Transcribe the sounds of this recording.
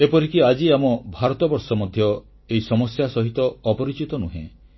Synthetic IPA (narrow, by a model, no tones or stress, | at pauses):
epɔɾikiad͡ʒiamɔbʱaɾɔt̪ɔbɔɾsɔmɔd̪ʱjɔ | eisɔmɔsjasɔɦit̪ɔːpɔɾit͡ʃit̪ɔnuɦḛ̃